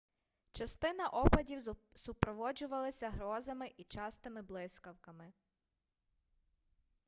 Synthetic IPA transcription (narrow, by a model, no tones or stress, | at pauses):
t͡ʃɐst̪ɪnɐʔɔpɐdʲiwsʊpɾɔʋɔd͡ʒʊʋɐlˠɐsʲɐɦɾɔzɐmɪʔit͡ʃɑst̪ɪmɪblˠɪskɐwkɐmɪ